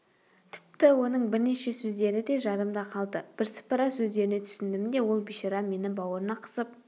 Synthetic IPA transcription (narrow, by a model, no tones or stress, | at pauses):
t̪ʰɪ̥p̚t̪ɪwo̞nəɴbɪɾneʃe̞sɵzd̪e̞ɾɪd̪e̞ʒɑd̪əmd̪ɑqʰɑlˠd̪əb̥ɪɾsɪ̥pɑɾɑsɵzd̪e̞ɾɪne̞t̪ʰʏ̥sɪnd̪ɪmɪnd̪e̞wo̞lˠbiʃeɾɑme̞nɪbɑwəɾənɑqʰə̥səp̚